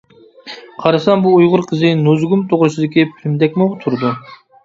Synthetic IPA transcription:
qʰɑɾɑsɑnbuːjʁʊɾqʰəzɨnozɡumt̪ʰoʁɾɨsɪd̪ɪkʲipʰɪmd̪ɛk̚ʲmoʁt̪ʰuɾd̪ʊ

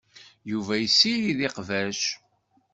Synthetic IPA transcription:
juvæjəsːiliðiqvæʃ

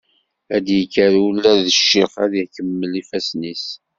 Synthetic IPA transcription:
æd̪jəkːəɾulːæɾðəʃːiχæðihkəmːəlifæsnis

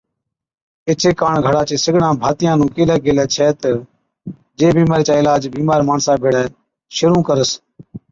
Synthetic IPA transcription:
ɪt͡ʃʰeːkaːɳɡʱəɽaːt͡ʃeːsɪɡɽãːbʱaːt̪ɪjãːnũːkeːlɛːɡeːlɛːt͡ʃʰɛːt̪ə | d͡ʒeːbiːmaːɾit͡ʃãːɪlaːd͡ʒbiːmaːɾmaːɳsãːbʱeːɽɛː | ʃʊɾũːkəɾəs

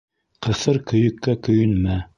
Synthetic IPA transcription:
qɤ̆sɤɾkɵ̆jɵ̆kːækɵ̆jɵ̆nmæ

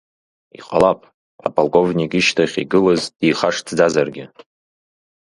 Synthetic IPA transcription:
ḭqʼa̰lapʼ | a̰pʼalˠkʼo̞vnikʼiʃtʰaχʲiɡɨlazd̥ijχaʂtʰd͡zazarɡʲɪ

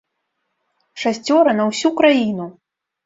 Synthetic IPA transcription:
ʂasʲt͡sʲɔɾɐnɐwsʲukɾajinu

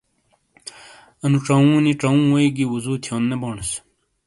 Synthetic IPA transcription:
ɐnuʈ͡ʂɐũːniʈ͡ʂɐũːwɐiɡiwuzuːt̪ʰjõːnːeboːɳs

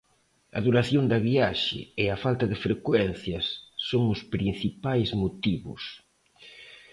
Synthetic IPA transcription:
ɐðuɾaθjoŋd̪ɐβiaʃɪ̰ɪɐfalt̪ɐðɪfɾekwɛnθjɐsːoŋʊspɾin̟θipajzmot̪iβʊ̰s

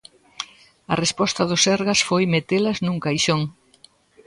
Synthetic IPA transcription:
ɐrespɔst̪ɐðʊsɛɾɣɐsfojmet̪elɐznũŋkajʃoŋ

